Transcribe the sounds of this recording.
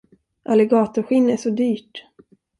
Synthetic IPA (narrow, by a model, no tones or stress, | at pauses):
ʔalːɛɡɑːt̪ʊɾɧɪnːæʂɔd̪yːʈ